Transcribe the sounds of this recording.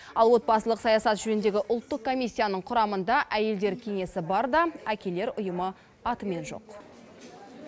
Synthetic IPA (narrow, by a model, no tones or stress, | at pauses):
ɑlˠwo̞t̪̚bɑsəlˠəqsɑjɑsɑt̪ʒ̥ɵnɪnd̪e̞ɡʲɪʔʊlˠt̪ːəq̚kʰːo̞mʲijsʲːijanəɴqʰʊɾɑmənd̪ɑʔæje̞ld̪e̞ɾkʲʰe̞ŋe̞sɪbɑɾd̪ɑækʲe̞le̞ɾʊjəmə | ɑt̪əme̞nʒo̞̰q